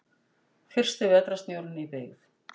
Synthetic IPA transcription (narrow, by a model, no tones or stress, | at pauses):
fɪr̥st̪ɪvɛt̪ɾast̪njowɾɪnipɪɣθ